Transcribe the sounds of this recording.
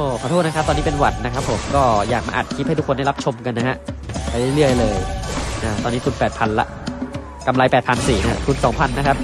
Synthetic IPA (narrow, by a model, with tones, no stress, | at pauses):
ʔoː˧˩pʰaː˧t̪ʰuː˥˩t̚na˦kʰa˦˥t̪ɔː˧niː˦˥pe˧nwa˨˩n̚na˦˥kʰɾa˦˥pʰːo˩˦mkɔː˥˩ja̰ː˨˩k̚ma̰ː˧ʔa̰˨˩t̪̚kʰi˦˥ha˥˩t̪u˦˥kʰo˧nda˥˩la˦˥p̚t͡ɕʰo˧mka˧nːa˦˥ha˦˥ʔpa˧jlɯ˥˩jlɯ˥˩əjlɤː˧jʔaː˧˩t̪ɔː˧nːiː˦˥t̪ʰu˧npɛː˨˩t̪̚pʰa˧nla̰˦˥ʔ | ka˧mla˧jpɛː˨˩pʰa˧nsiː˨˩na̰˦˥t̪ʰu˧nsɔː˩˦ŋpʰa˧nːa˦˥kʰa˦˥p̚